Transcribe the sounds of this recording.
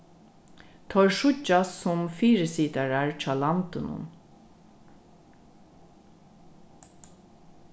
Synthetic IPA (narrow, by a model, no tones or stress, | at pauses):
t̪ʰɔʂʊt͡ʃːasʊmfiːɾɪsiːt̪aɹaɹt͡ʃʰɑːlant̪ʊnʊ̰n